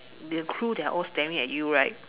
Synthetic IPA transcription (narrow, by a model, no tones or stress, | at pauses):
dəkʰɹudɛa̰ʔɔlstɛ̃ndĩŋɛ̰t̚juɹaɪt̚